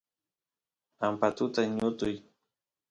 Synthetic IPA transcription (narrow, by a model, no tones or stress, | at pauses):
ampat̪ʊt̪aɲʊt̪ʊj